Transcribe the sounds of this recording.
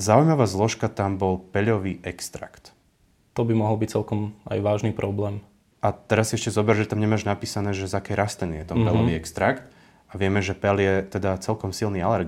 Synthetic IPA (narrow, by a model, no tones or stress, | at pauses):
zaujmaʋaːzlɔʃkat̪ambɔlpɛʎɔʋiːʔɛkst̪ɾa̰kt̪ | t̪ɔbimɔɦɔlˠbict͡sɛlkɔma̰jʋaːʒniːpɾʔɔblɛːm | at̪ɛɾasːiɛʃcɛzɔbɛɾʒɛt̪amɲɛmaːʒnapiːsanɛːʒɛzakɛːɾast̪ɛniːjɛt̪ɔmpɛʎɔʋiːɛkst̪ɾakt̪ | aʋɪɛmɛʒɛpɛljɛt̪ɛd̪at͡sɛlkɔmsilniːalɛɾɡ